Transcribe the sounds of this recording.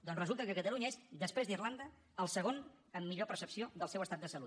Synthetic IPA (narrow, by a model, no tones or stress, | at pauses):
d̪ɔnrəzulˠt̪əkəkət̪əluɲəezd̪əspɾezd̪irland̪ə | əlˠsəɣ̞on | əmːiʎopəɾsəpsioðəlˠsɛwəst̪at̪əsəlut̪